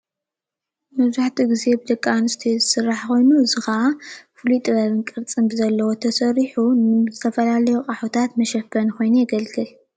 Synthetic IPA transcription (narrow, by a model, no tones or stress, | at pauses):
mɐβzaħt̪ʰiɡize̞bɨd̪ɐkʼːanɨst̪ʰizɨsɨrːaħko̞jnuɨzɨxɐafɨluit̪ʼɨβɐβɨnkʼɨɾt͡sʼɨmbɨzɐlːɐwot̪ʰɐsɐɾiħunɨzɨt̪ʰɐfɐlalɐjuqʼaħut̪ʰat̪mɐʃɐfɐnko̞jnujɛɡɐlɡɨl